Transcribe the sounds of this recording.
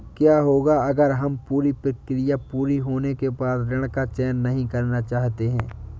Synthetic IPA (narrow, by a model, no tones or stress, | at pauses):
kjaːɦoːɡaɐɡəɾɦɐmpuːɾipɾɐkɾɪjapuːɾiɦoːnekebaːd̪ɾɪɽ̃kat͡ʃɛːnːɐɦĩkɐɾnat͡ʃaːɦt̪eɦɛ̃ː